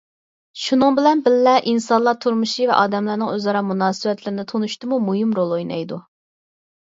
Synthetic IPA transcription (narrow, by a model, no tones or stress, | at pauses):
ʃunɨŋbɪlɛnbɪlːɛʔinsɑnlˠɑt̪ʰuɾmuʃivɛ̰ʔɑːd̪ɛmlæɾnɨŋøzɑɾɑmunɑːsɨbɛt̪ʰlɪɾɪnɪt̪ʰonuʃt̪ɨmumuɦimɾolˠojnɑ̰jd̪u